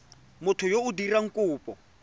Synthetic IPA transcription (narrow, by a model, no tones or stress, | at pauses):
mʊtʰʊjoudiraŋ̩kʼuːpʼɔ